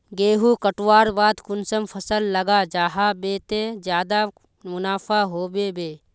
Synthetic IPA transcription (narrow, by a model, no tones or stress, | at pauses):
ɡeːɦuːkəʈwaːɾbaːd̪kʊnsəmpʰɐsəlːɐɡad͡ʒaːɦabeːt̪ed͡ʒjaːd̪a | mʊnaːfʰaːɦoːbeːbeː